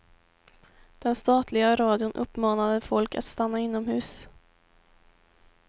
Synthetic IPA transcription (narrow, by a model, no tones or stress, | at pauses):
d̪̥ɛnst̪ɑːt̪ʰlɪɡaɾɑːd̪ɪʊnʔɵpːmɑːnad̪əfɔlka̰t̪st̪anːaɪnːɔmhʉ̟ːs